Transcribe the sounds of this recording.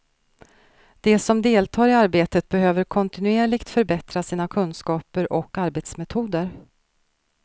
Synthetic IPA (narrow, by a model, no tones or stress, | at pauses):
d̪̥ɛsɔmd̪eːlt̪ʰɑːɾɪaɾbeːt̪ət̪̚bɛɦøːvəɾkʰɔnt̪ɪnɵeːɭɪɡt̪fœɾbɛt̪ɾasiːnakʰɵnːskɑːpəɾʔɔkːaɾbeːt̪smɛt̪ʰuːd̪əɾ